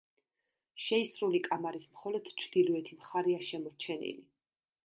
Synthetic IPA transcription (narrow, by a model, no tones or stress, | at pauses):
ʃɛisɾulikʼamaɾismχɔlɔd̪̥t͡ʃʰd̪̥ilɔɛt̪ʰimχaɾiaʃɛmɔɾt͡ʃʰɛnḭli